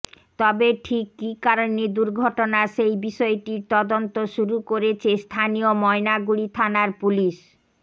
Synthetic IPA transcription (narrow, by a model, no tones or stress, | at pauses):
t̪ɔbeʈʰikːikaɾonid̪uɾɡʱɔʈonaʃejbiʃɔeʈiɾt̪ɔd̪ont̪oʃuɾukoɾet͡ɕʰest̪ʰanijomɔenaɡuɽit̪ʰanaɾpuliʃ